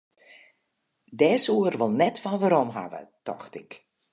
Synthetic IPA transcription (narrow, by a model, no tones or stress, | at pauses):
dɛːsuərʋolˠnɛtfɔnʋaɾɔmɦa̰ʋə̰tɔ̰xtɪk